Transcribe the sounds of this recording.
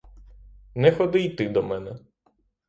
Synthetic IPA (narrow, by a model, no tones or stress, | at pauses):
nɛxɔd̪ɪjt̪ɪd̪ɔmɛnɛ